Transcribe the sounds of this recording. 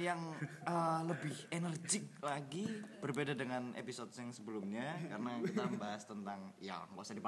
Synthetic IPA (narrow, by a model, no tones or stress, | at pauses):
jaŋələbɪhenərd͡ʒɪk̚laɡib̥ərbedadəŋanḛpisɔt̚aŋsəbəlumɲakarənakit̪ambaɦast̪ənt̪aŋja̰ŋkɔsadipa